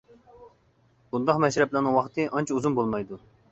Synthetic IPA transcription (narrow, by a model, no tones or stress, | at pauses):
b̥und̪ɑqmɛʃɾɛplɪnɨŋwɑχt̪ʰɨʔɑnt͡ʃʰiuzunbolˠmɑjd̪u